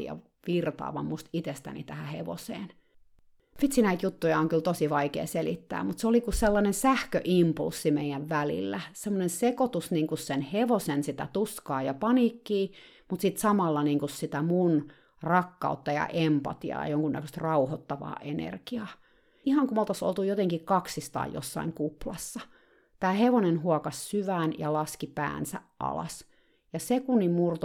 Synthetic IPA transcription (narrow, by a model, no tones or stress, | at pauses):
jɑ̰ | ʋirt̪ɑ̰ːʋɑ̰mmust̪it̪est̪æ̰nḭt̪æhæheʋo̰sḛːn | fit̪sinæit̪jut̪ːujɑoŋkylt̪osiʋɑikḛːselit̪ːæ̰ːmmut̪seolikusselːɑnensæhkøʔimpṵlsːimeijæʋʋælḭlːæsemːonensekot̪usniːŋkussenheʋosensit̪æ̰t̪uskɑːjɑpɑnikːiː | mut̪sit̪sɑmɑlːɑniːŋkussit̪æmun | rɑkːɑ̰ut̪ːɑjɑ̰ʔempɑ̰t̪iɑ̰ːɑ̰joŋkunːæ̰køst̪rɑuhot̪ːɑʋɑ̰ːʔenḛrkiɑː | ihɑŋkumolt̪ɑso̰lt̪ujot̪eŋkikkɑksist̪ɑ̰ːjo̰sːɑ̰iŋkuplɑsːɑ | t̪æːheʋonenhuɔkɑssyʋæːnjɑlɑskipæ̰ːnsæ̰ʔʔɑ̰lɑ̰s | jɑsekunːimmurt̪